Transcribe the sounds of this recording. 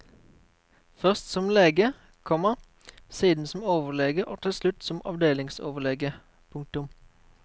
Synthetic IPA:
fœʁst̪sɔmleːɡə | kʰɔməʁ | siːd̪n̩sɔm̩oːʋəʁlɛɡəʔoːt̪ʰɪlslʉt̪sɔmɑ̰ʋd̪eːlɪŋso̰ːʋəʁlɛːɡə | pʰʊŋk̚t̪ʉm

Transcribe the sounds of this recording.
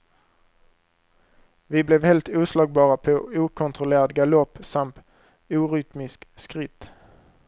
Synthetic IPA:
ʋiːblɛʋhɛlt̪ʉːslɑːɡ̚bɑːʁapʰoːuːkʰʊnt̪ʁʊleːʁt̪ɡalɔpːsɑmt̪ | ʉːʁʏt̪mɪskskʁɪt̪

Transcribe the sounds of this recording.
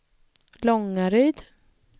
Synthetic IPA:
lɔŋːaɾœjd̪

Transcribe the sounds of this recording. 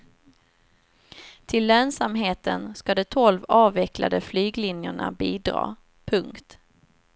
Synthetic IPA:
t̪ʰɪlːøːnsamɦeːt̪ə̰nskad̪ɛt̪ʰɔlvɑːvɛkla̰d̪əflyːɡlɪnjəɳa̰biːd̪ɾɑ̰ː | pʰɵŋkt̪

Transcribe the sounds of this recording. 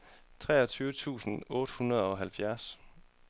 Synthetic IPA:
t͡sʰʁɛ̰ːɒ̽t͡sʰyːʊət͡sʰṵːsn̩ɔːɾ̥əhunʁɐð̞ˠɒ̽ɦælfjæɐs

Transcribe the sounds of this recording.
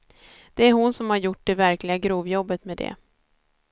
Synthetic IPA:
d̪̥ɛæɾɦʊnsɔmhaɾjʊʈ̚ːɖ̪ɛvæɾklɪɡaɡɾuːvjɔbːət̪med̪ɛ̰

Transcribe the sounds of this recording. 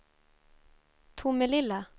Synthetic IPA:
t̪ʰʊməlɪlə

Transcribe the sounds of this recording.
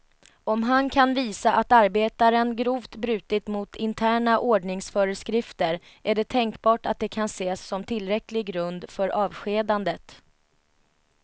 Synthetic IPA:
ɔmɦankʰanviːsaʔat̪aɾbeːt̪aɾənɡɾuːvt̪bɾʉ̟ːt̪ɪt̪mʊt̪ʰɪnt̪ʰæːɳaʔoːɖɳɪŋsfœɾəskɾɪft̪əɾ | æɖɛt̪ʰɛŋkbɑːʈat̪̚d̪ɛkʰanseːsːɔmt̪ʰɪlːɾɛklɪɡɡɾɵnd̪fœɾʔɑːvɧeːd̪and̪ət̪

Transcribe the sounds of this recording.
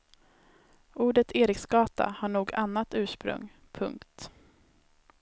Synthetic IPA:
ʔuːɖət̪ʰeːɾɪksɡɑːt̪a̰haɳuːɡanːat̪ʉ̟ːʂpɾɵ̰ŋ | pʰɵ̰ŋkt̪

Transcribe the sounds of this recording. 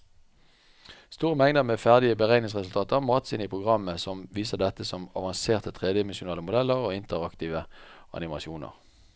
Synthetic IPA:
st̪uːʁəmɛŋd̪əmeːfæʁd̪ɪəbəʁæɪnɪŋsʁɛsʉl̩t̪ʰɑːt̪əʁmɑːt̪sɪnəpʰʁʊɡʁɑmːəsɔmʋiːsəd̪ɛt̪ːəsɔmɑʋɑnseːʁt̪ət̪ʰʁeːd̪əɪmɛnʃʊnɑːləmʊd̪ɛlːəʁoːɪnt̪əʁɑkt̪iːʋəʔɑ̰nɪmɑʃuːnə̰ʁ

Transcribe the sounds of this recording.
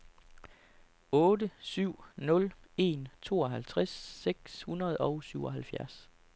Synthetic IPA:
ɔ̽ːdəsyʊ̰nɔ̽le̝̰nt͡sʰo̝̰ːɒ̽ɦælt͡sʰʁasːeɡ̥shunʁɐð̞̩ˠɒʊsyʊɒ̽ɦælfjæɐs

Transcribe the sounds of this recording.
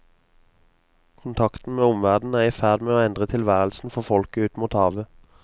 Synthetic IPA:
kʰʊnt̪ʰɑkt̪n̩meːʊmʋæʁd̪n̩æːʁiːfæʁd̪meːoːɛnd̪ʁət̪ʰɪlʋæːʁəl̩sn̩fɔʁfɔlkəʉːt̪muːt̪hɑːʋə

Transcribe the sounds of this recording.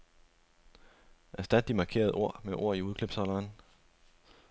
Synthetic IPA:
ʔæɐsd̥æd̥ːimɑ̈kʰe̝̰ɐð̞̩ˠʔo̝ɐ̰meʔo̝ɐ̰iuð̞ˠkʰleb̥sɒ̽lɐːn

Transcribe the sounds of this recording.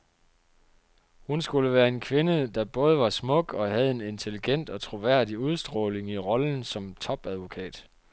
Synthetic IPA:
hunsɡ̥uləʋæːɐe̝nkʰʋe̝nəd̥ɑ̈b̥ɔ̽ːð̞ˠəʋɑ̈smɔ̽ɡ̥ɒ̽ɦæð̞̩ˠe̝ne̝nt͡sʰe̝liɡ̥en̰d̥ɒ̽t͡sʰʁo̝ʋæɐ̰d̥iuð̞ˠsd̥ʁɔ̽ːle̝ŋiʁɒ̽ln̩sɒ̽mt͡sʰɒ̽b̥æð̞ˠʋo̝kʰɛ̰ːd̥

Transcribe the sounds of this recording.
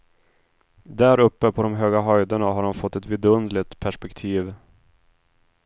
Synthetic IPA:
d̪æɾɵpːəpʰɔd̪ɔmɦøːɡaɦœjd̪əɳaɦaɖɔmfɔt̪ːɛt̪vɪd̪ɵnd̪lɪt̪pʰæʂpɛkt̪ʰiːv

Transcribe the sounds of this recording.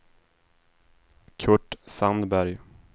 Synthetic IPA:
kʰɵʈsand̪bæɾj

